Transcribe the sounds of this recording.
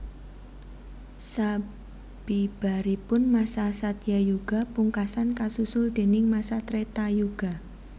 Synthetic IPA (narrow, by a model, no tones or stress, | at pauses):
sa | b̥ib̥a̤ɾipʊnmasasat̪jajuɡ̥a̤puŋkasankasusʊld̪̥e̤nɪŋmasat̪ɾet̪ajuɡ̥a̤